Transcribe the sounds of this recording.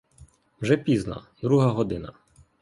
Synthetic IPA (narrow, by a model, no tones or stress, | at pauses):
wʒɛpʲiznɐ̰d̪ɾuɦɐɦɔd̪ɪnɐ̰